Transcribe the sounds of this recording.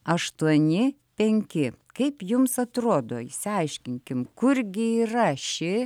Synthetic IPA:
ɐʃt̪uɔnʲɪ | pʲɛŋʲkʲɪkɐɪpjʊmsɐt̪ɾoːd̪oːɪsʲɪɐɪʃʲkʲɪŋʲkʲɪmkʊɾɡʲɪiːrɐʃʲɪ

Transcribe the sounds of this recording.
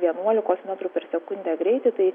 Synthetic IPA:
ʋʲiɛnuɔlʲɪkoːsmʲɛt̪ɾupʲɛɾsʲɛkʊnʲd̪ʲæːɡɾʲɛɪt̪ʲɪt̪ɐɪ

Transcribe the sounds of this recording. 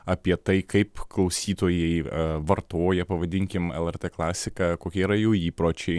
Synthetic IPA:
ɐpʲiɛt̪ɐɪkɐɪpklˠɐʊsʲiːt̪oːjɛɪʋɐrt̪oːjɛpɐʋɐd̪ʲɪŋʲkʲɪmɛ̰lˠɛɾʲt̪eːklˠɑːsʲɪkɑːkoːkʲɛiːɾɐjuːiːpɾoːt͡ʃʲɛɪ

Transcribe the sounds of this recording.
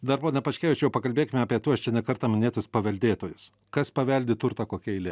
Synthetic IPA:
d̪ɐɾpoːnʲɛpɐʃʲkʲæːʋʲɪt͡ʃʲɛjɛʊpɐkɐlʲbʲeːkʲɪmʲɛɐːpʲiɛt̪uɔst͡ʃʲɛnʲɛkɐɾt̪ɐːmʲɪnʲeːt̪ʊspɐʋʲɛlʲd̪ʲeːt̪oːjʊs | kɐspɐʋʲɛlʲd̪ʲɪt̪ʊɾt̪ɐkoːkʲɛɪlʲɛ

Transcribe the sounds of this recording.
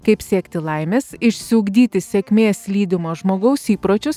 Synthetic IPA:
kɐɪpsʲeːkt̪ʲɪlˠɐɪmʲeːsɪʃʲsʲɪʊɡd̪ʲiːt̪ʲɪsʲɛkʲmʲeːslʲiːd̪ʲɪmoːʒmoːɡɐʊsiːpɾoːt͡ʃʲʊs

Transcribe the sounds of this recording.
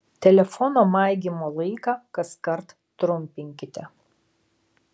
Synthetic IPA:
t̪ʲɛlʲɛfɔnoːmɑˑɪɡʲimoːlˠɐɪkɑːkɐskɐɾt̪ | t̪ɾʊmʲpʲɪŋʲkʲɪt̪ʲɛ

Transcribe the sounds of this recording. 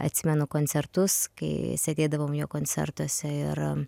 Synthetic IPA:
ɐ̰t̪ʲsʲɪmʲɛnʊkoːnʲsʲɛrt̪ʊskɐ̰ɪsʲɐt̪ʲeːd̪ɐʋoːmjoːkoːnʲt͡s̪sʲɛ̰rt̪uɔsʲɛɪɾ

